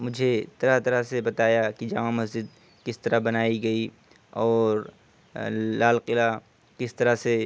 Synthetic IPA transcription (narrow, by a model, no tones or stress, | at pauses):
mʊd͡ʒʱet̪ɐɾat̪ɐɾasebɐt̪aːjakid͡ʒɐmãmɐsd͡ʒɪd̪̚ | kɪst̪ɐɾaɦbɐnaːiɡɐi | ɔːɾ | laːlqɪla | kɪst̪ɐɾase